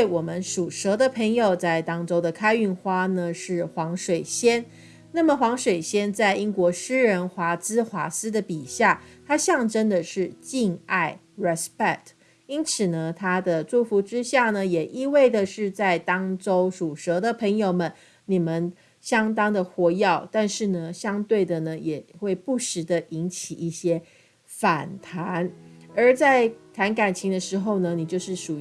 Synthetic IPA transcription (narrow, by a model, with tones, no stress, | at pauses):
twe˥˩ɪwɔ˨˩mə˦nʂu˨˩ʂɤ˧˥d̪ə˨pʰə˧˥ŋjo˨˩ʊt͡sa˥˩ɪt̪ɑ˥ŋʈ͡ʂo˥ʊd̪ə˨kʰa˥ɪy˥˩nxwa˥nə˨ʂɻ̩˥˩xwɑ˧˥ŋʂwe˨˩ɪɕjɛ˥n | na˥˩mə˩xwɑ˧˥ŋʂwe˨˩ɪɕjɛ˥nt͡sa˥˩ɪi˥nkwɔ˧˥ʂɻ̩˥ɻə˧˥nxwa˧˥t͡sɹ̩˥xwa˧˥sɹ̩˥d̪ə˨pi˨˩ɕja˥˩t̪ʰa˥ɕjɑ˥˩ŋʈ͡ʂə˥nd̪ə˨ʂɻ̩˥˩t͡ɕi˥˧na˥˩ɪ | ɻɛ˨˩spɛ˥˩k̚tʰ | i˥nt͡sʰɹ̩˨˩nə˦t̪ʰa˥d̪ə˨ʈ͡ʂu˥˩fu˧˥ʈ͡ʂɻ̩˥ɕja˥˩nə˩jɛ˨˩ʔi˥˧we˥˩ɪd̪ə˨ʂɻ̩˥˧t͡sa˥˩ɪt̪ɑ˥ŋʈ͡ʂo˥ʊʂu˨˩ʂɤ˧˥d̪ə˨pʰə˧˥ŋjo˨˩ʊmə˨˦n | ni˨˩mə˦n | ɕjɑ˥ŋt̪ɑ˥ŋd̪ə˨xwɔ˧˥jɑ˥˩ʊt̪a˥˧nʂɻ̩˥˩nə˩ɕjɑ˥ŋt̪we˥˩ɪd̪ə˩nə˩jɛ˨˩xwe˥˩ɪpu˥˩ʂɻ̩˧˥d̪ə˨ʔi˧˥nt͡ɕʰi˨˩ʔi˥˩ɕjɛ˥ | fa˨˩nt̪ʰa˧˦˥nə˞˧˥t͡sa˥˩ɪt̪ʰa˧˥nka˨˩nt͡ɕʰi˧˥ŋd̪ə˧ʂɻ̩˧˥xo˥˩ʊnə˩ni˨˩t͡ɕjo˥˧ʊʂɻ̩˥˩ʂu˨˩